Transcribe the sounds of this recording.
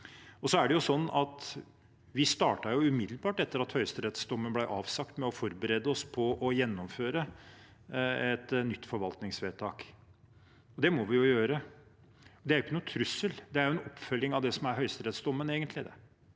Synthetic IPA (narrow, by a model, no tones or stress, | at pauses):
ɔsɔæɖɛjʊsɔnːɑt̪ | ʋɪst̪ɑːʈɑɾjʊʉmɪd̪lbɑːʈɛt̪ːəɾɑt̪hœʏst̪əɾɛt̪sd̪ɔmːənblæɪʔɑːʋsɑkt̪mɛɔfɔɾbəɾɛd̪ːəɔspʰɔʔɔjɛnːɔmføːɾə | ɛt̪nʏt̪ːfɔɾʋɑlt̪nɪŋsʋeːt̪ʰɑːk | ɔd̪ɛmɔʋɪjʊjøːɾə | ɔd̪ɛæɾjʊkːənʊːt̪ʰɾʉsːəld̪ɛæɾjʊɛnɔpːfœlːɪŋɑʋd̪ɛsɔmæɾɦœʏst̪ɾɛt̪sd̪ɔmːəneːɡənt̪lɪd̪ɛ̰